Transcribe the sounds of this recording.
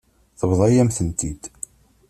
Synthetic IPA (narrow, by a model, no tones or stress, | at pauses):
θəβðˤɑjæmθənt̪id̪